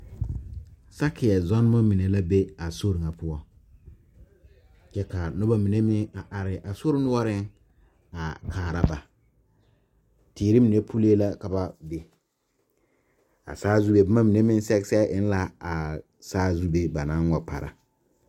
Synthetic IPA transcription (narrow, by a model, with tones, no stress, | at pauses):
sa˦kɪ˨ɛ˨zɔ˦n˦ma˦mi˨ne˨la˦be˦a˨so˦ɾɪ˨ŋa˨pʰʊ˦ɔ˦ | t͡ʃɛ˦ka˨nʊ˦ba˦mi˨ne˦mɪ˦a˨ʔa˨ɾɪ˨ʔa˨so˦ɾɪ˦nʊ˦wɔ˦ɾɪ˦ŋ | a˨kʰaː˨ɾa˦ba˨ | tiː˨ɾi˦mi˨ne˦pʰu˦le˦la˦ka˨ba˦be˨ | a̰˨saː˦zu˦be˦ba˦ma˦mi˨ne˦mɪ˦n˦sɛ˦ɡsɛ˦ʔɪ˦n˦la˦a˨ | saː˦zu˦be˦ba˨nã˦nwɔ˨pʰa̰˨ɾa̰˦